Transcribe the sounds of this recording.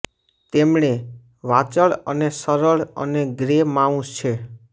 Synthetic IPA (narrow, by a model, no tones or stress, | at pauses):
t̪emɳ̃e | ʋat͡ʃəɭə̰nesəɾəɭə̰neɡɾemaũst͡ʃʰe